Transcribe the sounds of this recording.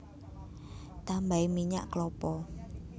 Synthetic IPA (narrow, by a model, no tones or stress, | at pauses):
t̪ambaimiɲa̰ʔklɔpɔ